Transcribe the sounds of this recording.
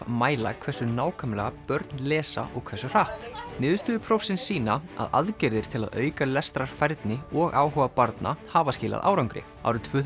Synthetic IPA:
maːjla̰kʰvɛ̥sʏnaːwkʰœmlɛɣapœɾt̪nlɛːsa̰ʔɔɣkʰvɛrsʏr̥aht̪nɪːðʏst̪ʏːðɪpʰɾɔfsɪnsiːnaa̰ða̰ðcɛɾðɪɾ̥t̪ʰɪla̰ðœːɥkalɛst̪ɾaɾ̥fajɾt̪nɪɔɣaːwɦɔvapaɾt̪na̰haːvascɪːla̰ðʔa̰ːwɾawŋkɾɪ̰ | a̰wɾʏt̪ʰvœː

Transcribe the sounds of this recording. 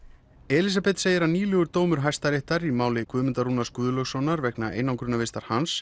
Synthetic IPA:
ɛːlisapɛt̪seːjɪɾaniːlʏɣʏɾt̪oːwmʏɾ̥ɦajst̪aɾeht̪aɾimaːwlɪkvʏːmʏnt̪aɾunaskʏːðʏlœxsɔnaɾvɛknaʔḛːjnawŋkɾʏnːavɪst̪aɾ̥hans

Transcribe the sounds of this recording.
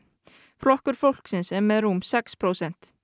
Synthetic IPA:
flɔhkʏɾ̥fowl̥ksɪnsɛɾmɛðɾumsɛkspʰɾowsɛn̥t̪

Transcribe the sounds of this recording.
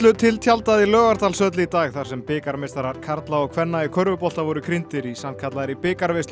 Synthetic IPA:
lʏt̪ʰɪlt̪ʰjalt̪aðɪlœːɣaɾt̪alsœt̪lɪit̪aːɣθaɾ̥sɛmpɪːkaɾmest̪aɾaɾ̥kʰaɾt̪laɔɣkʰvɛnːaikʰœɾvʏpɔl̥t̪avɔɾʏkʰɾint̪ɪɾisamkʰat̪laðɾipɪːkaɾvest̪

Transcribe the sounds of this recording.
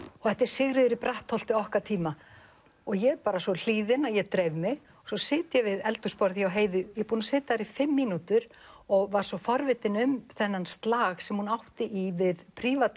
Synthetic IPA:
ɔɣθɛht̪ɛɾ̥sɪɣɾɪðʏɾipɾaht̪ʰːɔl̥t̪ɪɔhkat̪ʰiːma | ɔɣjɛpaːɾasɔl̥iːðɪnajɛɣt̪ɾeːjvmɪɣ | sɔsɪːt̪jɛvɪðɛlt̪ʏspɔɾðjiawɦeːjðʏjɛɣpuːnasɪːt̪aɾifɪmːiːnut̪ʏɾ | ɔɣvaɾ̥sɔfɔɾvɪt̪ɪnʏmθɛnːanst̪laːɣsɛmhunawht̪ɪʔivɪðpʰɾiːvat̪

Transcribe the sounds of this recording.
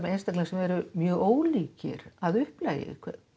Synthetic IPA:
ejnst̪aklɛsɛmɛɾʏmjœːɣoːwliːcɪ̰ɾaðʏhplaːjɪ̰kʰvɛ

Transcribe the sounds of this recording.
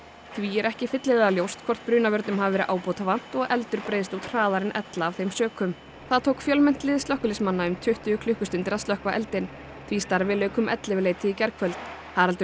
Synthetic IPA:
θviɛɾɛhcɪfɪt̪lɪðɛðaljowst̪kʰvɔr̥t̪̚pɾyːnavœɾt̪nʏmɦavavɛɾɪʔaːwpowt̪avan̥t̪ɔɣɛlt̪ʏɾpɾeːjðst̪ut̪r̥aːðaɾɪnʔɛt̪laːvθejmsœːkʏm | θaðt̪ʰowkfjœlmɛn̥t̪lɪðsœhkʏlɪsmanːaʏmt̪ʰʏht̪ʏʏkʰlʏhkʏst̪ʏnt̪ɪɾaðst̪lœhkvaʔɛlt̪ɪn | θʰvist̪aɾvɪlœːɥkʏmʔɛ̰t̪lɪvɪleːjt̪ɪicɛɾkʰvœlt̪n̥ | haɾalt̪

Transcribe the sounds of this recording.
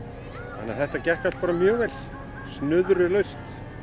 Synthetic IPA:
anːa̰θɛht̪acɛhkat̪paːɾamjœːɣvɛl | snʏðɾʏlœɥst̪

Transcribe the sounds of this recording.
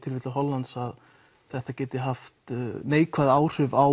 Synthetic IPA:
t̪ʰɪlvɪːt̪laɦɔlːant̪sað | θɛht̪acɛːt̪ɪɦaft̪neːjkʰvaðaːwr̥ʏvaw

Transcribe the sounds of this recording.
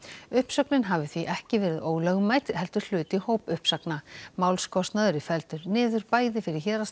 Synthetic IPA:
ʏhpsœknɪnɦavʏθviʔɛhcɪvɛːɾɪðoːwlœɣʏmaːjt̪hɛl̥t̪ʏɾ̥l̥ʏːt̪ihoːwpʏhpsaknamaːwlskɔst̪naðʏɾɪfɛlt̪ʏɾnɪːðʏɾpaːjðɪfɪɾɪ̥çɛːɾas

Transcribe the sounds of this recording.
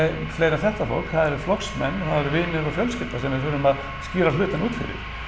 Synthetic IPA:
fleːjɾaθɛht̪afo̰wl̥kʰθaːðɛɾʏɾflɔksmɛnːθaːðɛɾʏvɪːnɪɾɔfjœlscɪlt̪asɛmvɪðfœɾʏmað | sciːɾalʏːt̪ɪnuːt̪fɪ̰ɾɪ̰ɾ̥

